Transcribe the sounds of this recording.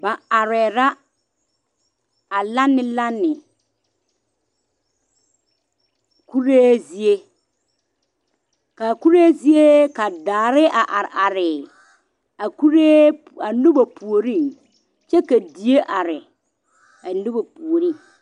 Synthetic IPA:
ba˨a˨ɾɛ˨ɾa˦ | a˨la˦nːɪ˦la˦nːɪ˨ | ku˦ɾeː˦zi˦e˦ | ka˨ku˦ɾe˦zi˦e˦ka˨daː˨ɾɪ˦a˨ʔa˨ɾɪ˨ʔa˨ɾɪ˨ | a˨ku˦ɾe˦ | a˨nu˦ba˨pu˨o˨ɾi˦˨ŋ | t͡ʃɛ˦ka˨di˨e˦ʔa˨ɾɪ˨ | a˨nu˦ba˨pu˨o˨ɾi˦˨ŋ

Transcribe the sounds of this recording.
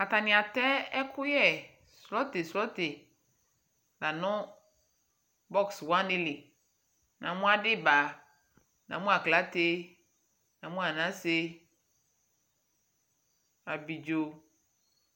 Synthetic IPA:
a˨ta˨nɪ̃˨a˨tɛ˦ɛ˦kʰʊ˦jɛ˦ | slɔ˦te˨slɔ˦tɪ˨ | la˨nʊ̃˦ | bɔ˦kswã˦nɪ˦lɪ˨ | nã˨mʊ̃˦a˦dɪ˦ba˨ | nã̰˨mʊ̃˦a˨kla˨˦te˦ | nã˨mʊ̃˦a˨nã˦se˦ | a˨bi˨d͡ʒo˨

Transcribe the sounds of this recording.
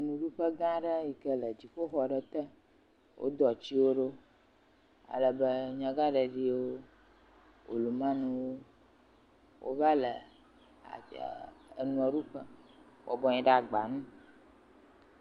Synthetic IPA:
nũ˨ɖu˦ɸə˦ɡã˦ɖə˦ji˨kə˦lə˨d͡ʑi˨xo˦xɔ˨ɖə˦t̪ə˦ | wʔo̰˦d̪ɔ˨t͡ɕi˦wo˦ɖo˦ | a̰˨lə˨bə˦ɲã˦ɡa˦ɖə˨ɖi˦wo˦ | wʔo̰˨lu˨mã˦nũ˦wo˦ | wʔo̰˦va˦lə̰˨ | a̰˨ | ə̰˨nũ˦ɔ˨ɖu˦ɸə˦ | wɔ̰˨bɔ˦ɲĩ˨ɖa˨ɡ͡ba˨nũ˦

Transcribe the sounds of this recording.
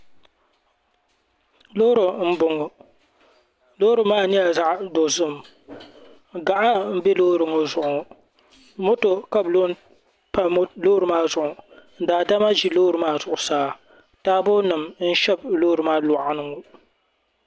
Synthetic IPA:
lo˦ɾɨ˨m̩˦bʊ˨ŋo˨ | loː˦ɾɨ˨maː˦˨ni˦ja˨za˦ʔdo˨zɨ˦˨m | ɡa˨ʔa˦m̩˦bɛ˦loː˦ɾɨ˨ŋo˨zʊ˨ʔʊ˨ | mo˦to˨ka˦blo˦n | pa˦m˦loː˦ɾɨ˨maː˦zʊ˨ʔʊ˨n̩˦daː˨da˦ma˦d͡ʒi˨loː˦ɾɨ˨maː˦zʊ˨ʔʊ˨saː˦ | taː˦bo˦nɨ˨mn̩˦ʃɛ˦bloː˦ɾɨ˨maː˦la˨ʔa˦nɨ˦˨ŋo˨

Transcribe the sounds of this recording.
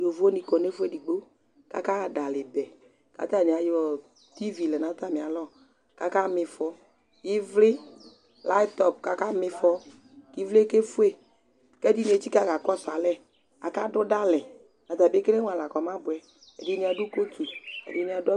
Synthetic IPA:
jo˨vo˦nĩ˨kɔ˨ne˦fu˦e˦di˨ɡ͡bo˦ | ka̰˦ka˦a˨da˨lɪ˨bɛ˨ | ka̰˨˦t̪a˦˨nĩ˨a˨jɔ˨ | t̪i˦vi˨lɛ˨na˨˦t̪a˦˨mɪ̃˨a˨lɔ˦ | ka˦ka˦mɪ˨fɔ˦ | kɪ˦vlɪ˦ | la˦t̪ɔ˨p̚ka˦ka˦mɪ˧fɔ˦ | ki˦vle˦ke˦fu˦e˨ | kɛ˦di˦nĩ˨e˨t͡ʃi˦ka˦˨ka˨kɔ˦sa˨lɛ˦ | a̰˨ka˦dʊ˦da˦lɛ˨ | na˨t̪a˨be˦ke˦le˦ŋ˦a˨la˨kɔ˨mã˦bʊ˨ɛ˨ | ɛ˨dɪ˦nĩ˨˦a˨dʊ˦ko˦tu˨ɛ̰˨dɪ˨˦nĩ˨˦a˨dʊ˦

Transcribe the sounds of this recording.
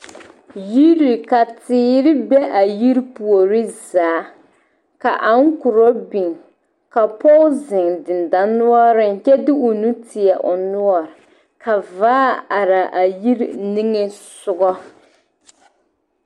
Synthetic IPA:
ji˦ɾi˨ka˨tɪː˨˦ɾɪ˦bɛ˦ʔa˨ji˦ɾpu˨o˨ɾɪ˦zaː˨˦ | ka˨ʔa˦ŋ˦kʊ˨ɾɔ˦bi˨ŋ | ka˨pɔ˦ʊ˦zɪ˨ŋdɪ˨n˨da˨nu˦ɔ˦ɾɪ˦ŋ˨t͡ʃɛ˦dɪ˦ʊ˨nu˦tʰɪ˨ɛ˨ʔʊ˨nu˦ɔ˨ɾɪ˨ | ka˨vaː˦a˨ɾa˨ʔa˨ji˦ɾni˦ŋɛ˦sʊ˦ɡɔ˦

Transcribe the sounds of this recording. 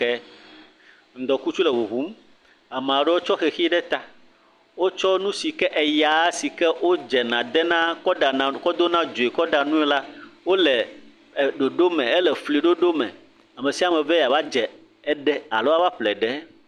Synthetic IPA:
ɛ˦ | ŋ̩˨d̪ɔ˨ku˦t͡ʃu˦lɛ˨wu˨ɦu˨˦m˦ | a˨m̃˨a˨ɖɛ˦wo˦t͡ʃɔ˦xɛ˨xi˦ɖɛ˦t̪a˨ | wo˦t͡ʃɔ˦nũ˦si˨kɛ˦ʔɛ˨ja˨˦si˨kɛ˦wo˦d͡ʒɛ˨nã˨d̪ɛ˦nã˦kɔ˦ɖa˨nã˨kɔ˦d̪o˦nã˦d͡ʒo˨e˨kɔ˦ɖa˨nũ˦ɛ˦la˦wo˦lɛ˨ | ɖo˨ɖo˦mɛ̃˨ɛ˦lɛ˨fli˨ɖo˦ɖo˦mɛ̰̃˨ | a˨mɛ̃˨si˦a˦˨mɛ̃˨vɛ˦ja˨va˦d͡ʒɛ˨ | ɛ˦ɖɛ˦a̰˨lo˦a˦va˦ɸlɛ˨ɖɛ˨˦

